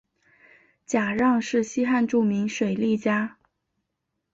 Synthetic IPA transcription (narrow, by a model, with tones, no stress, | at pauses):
t͡ɕja˨˩ɻɑ˥˧ŋʂɻ̩˥˩ɕi˥xa˥˧nʈ͡ʂu˥˩mi˧˥ŋʂwe˨˩ɪli˥˩t͡ɕja˥